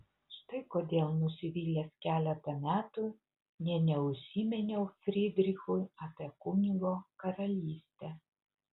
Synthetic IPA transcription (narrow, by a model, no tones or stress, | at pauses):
ʃt̪ɐɪkoːd̪ʲeːlˠnusʲɪʋʲiːlʲeːskʲæːlʲɛt̪ɐmʲæːt̪ʊ | nʲɛnʲɛʊʃʲiːmʲɛnʲɛʊfʲɾʲɪd̪ʲɾʲɪxʊjɐpʲekʊnʲɪɡoːkɐɾɐlʲiːsʲt̪ʲɛ